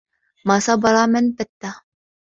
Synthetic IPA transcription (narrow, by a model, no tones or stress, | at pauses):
maːsɑbɑɾˤɑmanbat̪ːa